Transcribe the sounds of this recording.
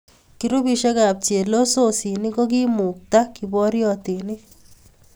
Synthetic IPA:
kiɾu˦bi˧ʃe˦kaː˨p̚t͡ʃe˨lo˦so˦si˨ni˦ko˦k̬i˦mu˨k̚t̪akibɔ˦ɾjɔt̪i˨ni˦

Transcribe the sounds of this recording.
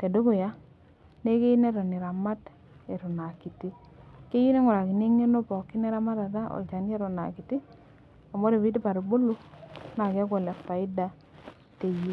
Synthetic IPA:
te˨do˦ko˨ja˦ | ne˦ke˦ne˦ɾɔ˨ni˨ɾa˨ma˦t | e˨ɾo˨na˨ki˨ti˦ | ke˦ji˦ne˦ŋɔ˨ɾa˨ki˨ne˦ŋe˦no˦pɔ˨ki˦ne˦ɾa˦ma˦ta˨ta˦ɔ̰˨t͡ʃa˨ni˦ɛ˦ɾɔ˨na̰˨ki˨ti˦ | a˨mo˦de˨βi˦di˦pa˨ɾo˨bo˦lo˦na˨ka˦k̬o˨lɛ˨kpa˨i˦da˦ | te˨ji˦

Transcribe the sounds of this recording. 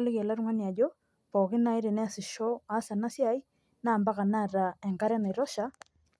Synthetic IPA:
lɪ˦kɛ˨la˦ɾʊ˦ŋa˦ni˨a˨d͡ʒo˦ | pɔ˨kɪ˦na˨˦ɪ˦ɾe˨nɛ˦a˨sɪ˨ʃɔ˦a˦sa˨na˦sja˦j | naː˦˨mba˦ɣa˨na˦˨ɾa˨ɛ˨ŋɡa˦ɾɛ˦na˨ɾɔ˦ʃa˨

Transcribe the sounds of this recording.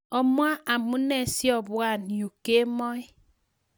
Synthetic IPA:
ɔ˦mwa˦ʔa˨mu˦nɛ˦˨si˦ɔ˦˨βwa˦˨ni˨o˨ke˦mɔ˦i˦

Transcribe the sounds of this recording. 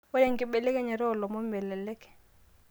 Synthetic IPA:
ʊ˦ɾɛ˦˨ŋ̩˦kʼɪ˦ɓɛ˨le˦kɛ˦ɲɛ˨ɾɪ˦ʊ˨lɔ˨mo˦mɛ˨lɛ˨lɛ˦kʼɛ̥˨

